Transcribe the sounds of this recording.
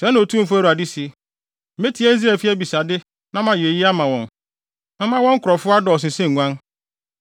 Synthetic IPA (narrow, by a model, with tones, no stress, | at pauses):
sɛ˨˦ñ˨o˨tʰũ˦m̩˨fʊ˦æ˦ɾa˨di˦si˦ | m̩˨˦me˦tʰi˨˦æ˦n̩˦zi˦æ˨fi˦æ˦bi˨sa˨dɪ˦ | nã˦mã˨je˨ji˦a˦mã˨wɔ̃˨n | mɪ̃˦mã˦wɔ̃˦ŋ̩˦kʊ˨ɾɔ˨fʊ˦a˦dɔ˨s̬ɪ̃˨sẽ˦ŋ˨ŋʷã˦n